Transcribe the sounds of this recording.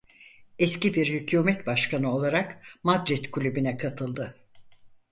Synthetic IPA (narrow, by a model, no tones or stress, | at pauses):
ɛscibiɾhycʰuːmɛt̪baʃkanɯo̞lˠaɾakmad̪ɾit̪kʰulʲybynɛkʰat̪ʰɯlˠd̪ɯ